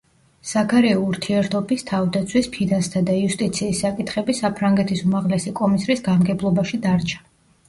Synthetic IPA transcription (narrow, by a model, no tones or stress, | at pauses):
sakaɾɛɔuɾt̪ʰiɛɾt̪ʰɔbist̪ʰavd̪at̪sʰwispʰinast̪ʰad̪aiust̪ʼit̪sʰiːsːakʼit̪ʰχɛbisapʰɾaŋɡɛt̪ʰisumaʁlɛsikʼɔmisɾisɡamɡɛblˠɔbaʃid̪aɾt͡ʃʰḁ